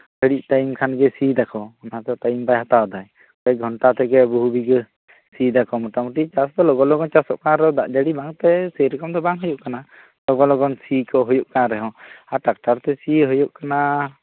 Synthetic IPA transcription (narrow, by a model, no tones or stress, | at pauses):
pəɽiʔ̚t̪ajimkʰanɡɛsid̪akɔɔnaɦat̪ɔt̪aimbajɦat̪aɔd̪aj | kɔɛɡʱɔɳʈat̪ɛɡɛbuɦubiɡə | sid̪akɔmɔʈamuʈit͡ʃasd̪ɔlɔɡɔlɔɡɔnt͡ʃasɔʔkaaɾɛɦɔ̃d̪aʔd͡ʒaɽibaŋt̪ɛsəjɾɛkɔmd̪ɔbaŋɦɔjuʔkana | lɔɡɔlɔɡɔnsikɔɦujuʔkaaɾɛɦɔ̃aʈak̚ʈaɾt̪ɛsiɦɔjuʔkana